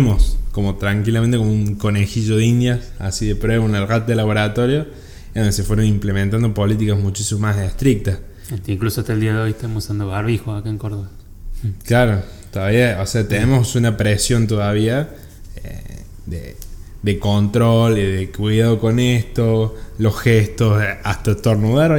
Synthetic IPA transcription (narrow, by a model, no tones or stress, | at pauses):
mosko̞mo̞t̪ɾaŋkilament̪ekomuŋko̞nexiʒoðeind̪jasa̰siðepɾweβaunalrat̪eðelaβo̞ɾat̪o̞ɾjo | nse̞fweɾonimplement̪and̪opo̞lit̪̬ikazmut͡ʃisimomasest̪ɾik̚t̪as | et̪iŋklusoat̪aeld̪iaðeojeht̪amosand̪oβaɾβixoakaeŋkoɾðoɣa | klaɾo̞ | t̪oðaβiaoseat̪enemosunapɾesjo̞nt̪oðaβia | ḛ | d̪ḛ | d̪ekont̪ɾoliðekwiðaðoko̞nest̪olosxest̪osaht̪at̪oɾnuðaɾ